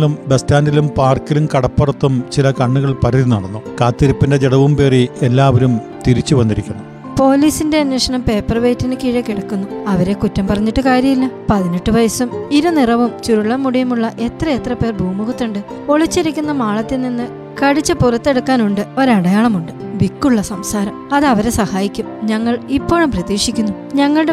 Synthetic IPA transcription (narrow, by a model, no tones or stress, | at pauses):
lumbestaːndilumpaːrkːilumkɐɽɐpːɐrɐt̪ːumt͡ɕilɐkɐɳːuɣɐɭpɐɾɐðinɐɽɐnːukaːt̪ːɐɾipːinde̞d͡ʑeɽɐʋumpe̞ːrielːaːʋɐɾum | t̪iɾit͡ɕːuʋɐnːiɾikʲːunːɐ | po̞ːliːsinde̞ɐnʋɐʂɐɳɐmpe̞ːpːɐrʋejtːinɨkiɻɐkːiɽɐkːunːuɐʋɐɾe̞kutːɐmpɐrɐɲːiʈːɨkaːɾjɐmilːɐpɐðiniʈːɨʋɐjɐsumiɾunirɐʋumt͡ɕuɾuɭːɐmːuɽijumuɭːɐʔe̞t̪rɐet̪rɐpe̞ːrbʱuːmuɣut̪ːuɳɖɨ | o̞ɭit͡ɕːiɾikʲːun̪ːɐmaːɭɐt̪ːilninːɨ | kɐɽit͡ɕːɐpurɐt̪ːe̞ɽukːaːnuɳɖɨo̞ɾɐɽɐjaːɳɐmuɳɖɨ | ʋikːuɭːɐsɐmsaːɾɐmɐðɨɐʋɐɾe̞sɐhaːjikʲːumɲɐŋːɐɭipːo̞ːɻumprɐðiːʂikʲːunːu | ɲɐŋːɐɭɽe